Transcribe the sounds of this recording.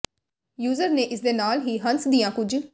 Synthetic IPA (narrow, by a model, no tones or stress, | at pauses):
juːzəɾnẽːʔɪsd̪eːnaːlɦiːɦənsd̪iːjãːkʊd͡ʒ